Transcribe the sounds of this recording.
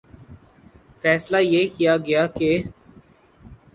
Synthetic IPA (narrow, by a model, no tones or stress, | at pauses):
fɛːslajeːkijaɡɐjaːke